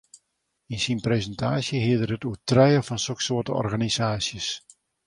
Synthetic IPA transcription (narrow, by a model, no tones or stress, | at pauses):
insinprezəntʰaːsjəɦiədərətuətrɛjəfɔnsoksoətəɔ̰rɣanizaːsjəs